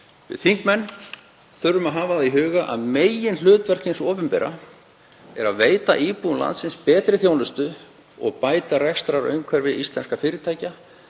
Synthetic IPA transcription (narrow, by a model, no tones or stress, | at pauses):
vɪ̰ðθiŋkmɛnː | θœɾːʏmaðɦaːvaðaðiɦʏːɣaʔa̰ðmeːjɪnl̥ʏːt̪vɛr̥cɪnsoːpʏmpɛ̰ɾa̰ | ɛɾaðveːjt̪a̰ʔiːpunla̰nt̪sɪnspɛːt̪ɾɪθjoːwnʏst̪ʏ | ɔ̰ɣpaːjt̪arɛxst̪ɾaɾœ̰ːɥŋkʰvɛɾvɪðist̪lɛnskafɪːɾɪt̪ʰaːjca